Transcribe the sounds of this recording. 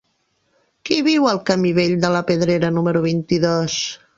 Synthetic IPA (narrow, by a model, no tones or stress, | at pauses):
kiβiwəlˠkəmiβeʎd̪ələpəðɾeɾənuməɾuβ̞int̪iðos